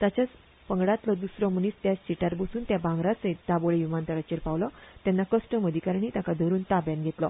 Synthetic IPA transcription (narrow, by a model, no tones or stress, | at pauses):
t̪at͡ɕat͡s | pəŋɡɽat̪lɔd̪usɾɔm̤əniːt͡st̪jast͡ɕiʈaɾbəsuːnt̪jabãŋɡɾat͡set̪aboɭejumant̪əɭat͡ɕeɾpawlɔt̪janːakəsʈəməd̪ʱikaɾɳ̃it̪akad̪ʱəɾuːnt̪abjanɡʱet̪lɔ